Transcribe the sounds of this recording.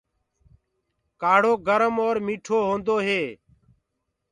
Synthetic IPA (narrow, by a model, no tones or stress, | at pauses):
kaːɽoːɡəɾəmoːɾmiːʈʰoːɦõːnd̪oːɦeː